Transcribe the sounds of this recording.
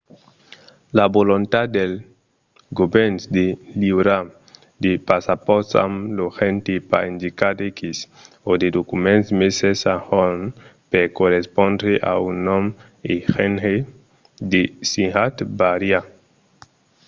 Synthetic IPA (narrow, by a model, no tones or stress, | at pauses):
labolont̪ad̪d̪el | ɡobɛnsd̪eliwɾa | d̪epasapɔɾt̪sa̰mloxent̪ipa̰ind̪ikad̪ikis | od̪ed̪okumẽnsmesesahɔnpeɾkoɾespõndɾeʔa̰unom | ixenhe | d̪esĩhat̪baɾja